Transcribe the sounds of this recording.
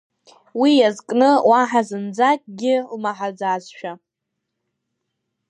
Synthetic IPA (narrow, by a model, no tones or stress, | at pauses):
wijazkʼnɨwaħazɨnd͡zakʼɡʲɪlmaħad͡zazʃᶣa